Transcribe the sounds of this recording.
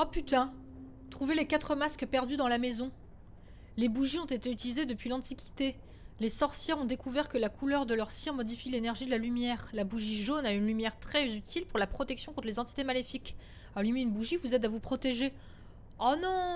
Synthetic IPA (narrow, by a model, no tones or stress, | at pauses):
apyt̪ɛ̃ | t̪χuvelekat̪χəmaskpɛʁd̪yd̪ɑ̃lamezɔ̃ | lebuʒiɔ̃t̪et̪eyt̪ilized̪əpɥilɑ̃t̪ikʲi̥t̪e | lesɔʁsjɛʁɔ̃d̪ekuvɛʁkəlakʰulœʁd̪əlœʁsjiʁmɔd̪ifilenɛʁʒid̪əlalymjɛːʁlabuʒiʒonaynlymjɛʁt̪χɛzyt̪ʰilpuʁlapχɔt̪ɛksjɔ̃kɔ̃t̪χlezɑ̃t̪i̥t̪emalefik | alymeynbuʒivuzɛd̪avupχɔt̪eʒe | anɔ̃